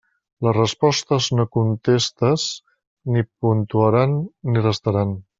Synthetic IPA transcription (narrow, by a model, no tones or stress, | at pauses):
ləzrəspɔst̪əznokunt̪est̪əz | nipunt̪uəɾanːirəst̪əɾan